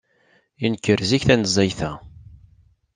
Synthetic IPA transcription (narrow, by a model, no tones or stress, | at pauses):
inkːəɾziçθænəzˤːɑjθæ